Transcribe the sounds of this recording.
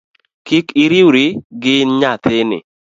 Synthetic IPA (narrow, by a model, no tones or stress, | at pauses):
kikɪɾiwɾiɡɪɲat̪enɪ̰